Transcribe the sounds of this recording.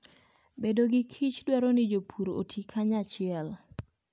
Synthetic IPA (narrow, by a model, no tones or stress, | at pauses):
bedoɡɪkʰit͡ʃdwɛɾonɪd͡ʒopʰuɾo̰tʰikʰaɲat͡ʃɪɛl